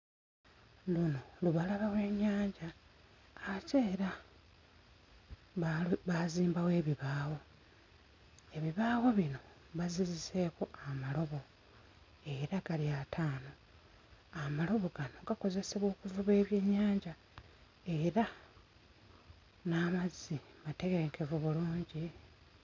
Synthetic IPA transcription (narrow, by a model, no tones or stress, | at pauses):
luno̞luβalaβawe̞ːɲːaːɲɟaː | ceːɾa | βaziːmbawe̞ːβiβaːwo̞ | e̞βiβaːwo̞βino̞ | βazizise̞koamalo̞βo̞ | e̞ɾaɡ̥aliatʰaːno̞ | amalo̞βo̞ɡano̞ɡako̞ze̞se̞βo̞ːkuvuβe̞ːβje̞ːɲːaːɲɟa | e̞ɾa | naːmazimate̞ɡeeŋkʰevuβuluːɲɟi